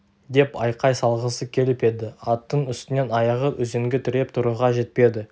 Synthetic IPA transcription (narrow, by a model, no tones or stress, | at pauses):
d̪e̞pɑjqɑjsɑlˠʁəsəkʲʰe̞lɪpe̞d̪ɪɑt̪ːəɴʏst̪ɪne̞nɑjɑʁəʔɵze̞ŋɡʲɪt̪ʰʏɾe̞p̚t̪ʰʊɾuʁɑʒe̞t̪̚pe̞d̪ɪ